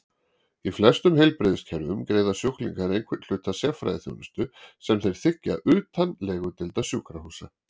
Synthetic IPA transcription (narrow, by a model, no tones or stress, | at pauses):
iflɛst̪ʏmɦejlpɾɪːðɪscʰɛɾðʏmkɾeːjðasjuhklḭŋkaɾejnkʰvɪt̪l̥ʏːt̪asjɛfɾa̰jðɪθjo̰wnɪst̪ʏsɛmθejɾ̥θɪhcːa̰ʔʏːt̪ʰanlɛːɣʏt̪ɪlt̪asjukɾahuːsa̰